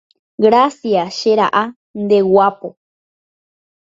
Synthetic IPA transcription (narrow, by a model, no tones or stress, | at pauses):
ɡɾasjaʃeɾa̰ʔa | nd̪ewapo